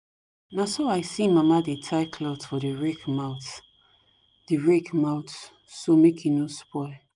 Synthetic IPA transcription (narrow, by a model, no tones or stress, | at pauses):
nasoaɪsĩmamadetʰaɪkʰlɔtfɔdəɹɛkmaʊθ | d̥iɹɛkmaʊt | somekʰĩnospʰɔɪl